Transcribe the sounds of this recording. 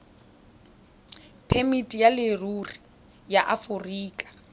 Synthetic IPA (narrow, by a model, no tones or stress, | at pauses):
pʰemitʼijalɪruri | jaʔafʊriːkʼḁ